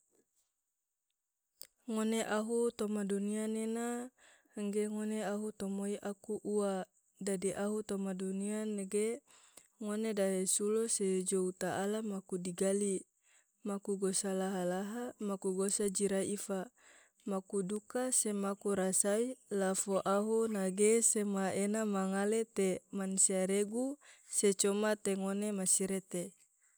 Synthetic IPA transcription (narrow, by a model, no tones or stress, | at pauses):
ŋoneʔaɦut̪omadunianena | ŋɡeŋoneaɦut̪omoiʔakuʔua | dadiʔaɦut̪omadunianeɡe | ŋonedaɦesulosed͡ʒout̪aʔːlamakudiɡali | makuɡosalaɦalaɦamakuɡosad͡ʒiɾaifa | makudukasemakuɾasailafoʔaɦunaɡesemaenamaŋalet̪emansiaɾeɡuset͡ʃomat̪eŋonemasiɾet̪e